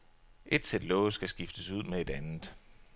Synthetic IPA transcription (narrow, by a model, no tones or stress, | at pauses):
ʔe̝d̥sed̥lɔʊsɡ̥æsɡ̥ifd̥əsuð̞̰ˠmee̝d̥ænð̩ˠ